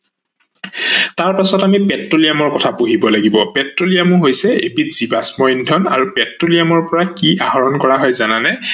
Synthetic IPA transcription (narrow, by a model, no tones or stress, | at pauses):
taɹpasɔtamipɛtɹolijamɔɹkɔtʰapoɦibɔlaɡibɔpɛtɹolijamʊɦojsɛḛbitz̥iba̰smɔjndʱɔna̰ɹupɛtɹolijamɔɹpɔɹakiʔaɦɔɹɔnkɔɹaɦɔjzananɛ